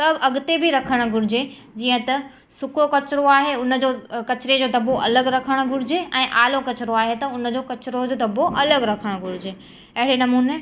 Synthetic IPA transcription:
sɐbɐɠʊt̪ebʱiɾɐkʰəɽ̃̆ɡʱʊɽ̤ɪd͡ʑe | d͡ʑiːə̃t̪ɐ | sʊkokɐt͡ɕɪɾoaːɦeʊnəd͡ʑoːkɐt͡ɕɾed͡ʑoːd̪ʱɐboʔɐləɡɾɐkʰəɽ̃ʊ̆ɡʱʊɽɪd͡ʑeɛ̃ːʔaːlokɐt͡ɕɪɾoaːɦet̪ɐʊnə̆d͡ʑoːkɐt͡ɕɾod͡ʑoːd̪ʱɐboʔɐləɡɾɐkʰəɽ̃ɡʱʊɽ̤ɪd͡ʑeː | ɐɦɪɽenɐmuːne

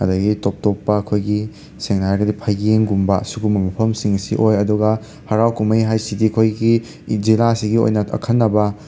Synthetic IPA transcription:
ɐdɐɡitop̚topːɐɐkʰojɡi | seŋnajɡɐdipʰajɡeŋɡumbɐɐsuɡumɐmɐpʰɐmsiŋɐsḭʔojɐduɡɐ | hɐɾawkumɐjɦajsidiɐkʰojɡi | zilasiɡio̰jnɐɐ̰kʰɐnːɐbɐ

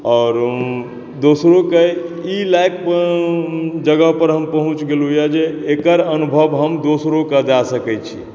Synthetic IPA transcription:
ɔːɾ | d̪osɾokeilajk̚ | d͡ʒəɡəɦpəɾɦəmpəɦũt͡ʃɡelujad͡ʒeːkəɾənubʱəbɦəmd̪osɾokəd͡ʒasəkɛt͡ʃʰḭ

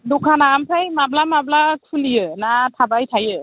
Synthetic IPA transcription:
dukʰanamsʰajmab̚lamab̚lakʰuliənat̪ʰabajt̪ʰajɯ

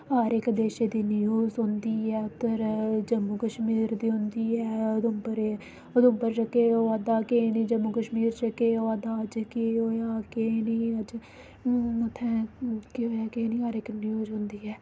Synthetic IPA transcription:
aːɾɪkd̪eːʃeːd̪iːnɪjuːzɦʊ̃nd̪iːɛːt̪əɾd͡ʒəmːukəʃmiːɾd̪iːɦʊnd̪iːɛːʊd̪ʊmpəɾe | əd̪ʊmbəɾt͡ʃəkeːoːad̪aːkeːnĩːd͡ʒəmːukəʃmiːɾt͡ʃəkeːoːad̪aːəd͡ʒkeoːaːkenĩːəd͡ʒ | mət̪ʰɛ̃ːkiɦoːjaːkeniːɦaːɾɪknjuːzɦʊ̃nd̪iːɛː

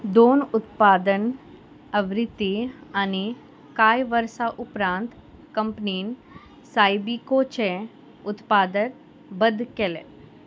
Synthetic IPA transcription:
d̪oːnʊt̪paːd̪ən | ɐʋɾɪt̪ːiani | kaːjʋəɾsaʔʊpɾãːnt̪kɐ̃mpniːn | saːibikot͡ʃɛ | ʊt̪paːd̪ət | bəd̪kelḛ

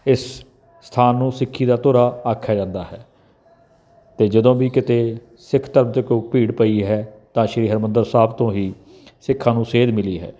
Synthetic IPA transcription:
ɪs | st̪ʰaːnːũːsɪkʰːiːd̪aːt̪ʊːɾaːaːkʰːjaːd͡ʒãːnd̪aːɦɛː | t̪eːd͡ʒəd̪õːbiːkɪt̪eː | sɪkʰt̪əɾəmt̪eːkoːpiːɽpəiːɦɛːt̪ãːʃəɾiːɦəɾmənd̪əɾsaːbt̪õːɦiː | sɪkʰːãːnũːseːd̪mɪliːɦɛ̰ː

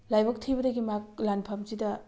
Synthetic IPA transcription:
lajbɐk̚tʰijbɐdɐɡimak̚lanpʰamzidɐ

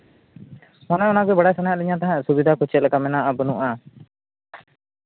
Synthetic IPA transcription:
manɛɔnaɡɛbaɽajsanajaʔ̪liɲãt̪aɦãsubid̪ʱakut͡ʃɛt̪̚lɛkamɛnaʔabunuʔa

